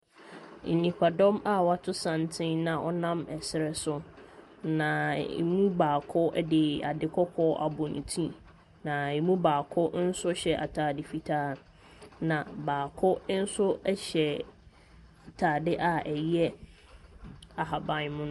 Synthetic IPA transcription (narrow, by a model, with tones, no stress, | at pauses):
n̩˨nĩ˨kʰʷa˨dɔ̃˦ma˦wa˦tʰʊ˦sã˨ntʰɪ̃˦nnã˨ʔɔ̰˦nã˦mɛ˨sɪ˦ɾɛ˦sʊ˦ | nã˨ḭ˨mũ˦baː˨kʰɔ˦ɛ˦dɪ˨a̰˨dɪ˨kʰɔ˦kʰɔ˦ʔa̰˨bʊ˨nĩ˨tʰĩ˦ | nã˨e˨mũ˦baː˨kʰɔ˦n̩˦sʊ˦ɕɛ˨ʔa̰˨tʰaː˨dɪ˨fi˨tʰaː˦ | nã˨baː˨kʰɔ˦n̩˦sʊ˦ɛ˦ɕɛ˨ | a˨tʰaː˨dɪ˦ʔa˨ɛ˨jɛ˦ | a˨ɦa˨bã˨nmʊ̃˦ñ˦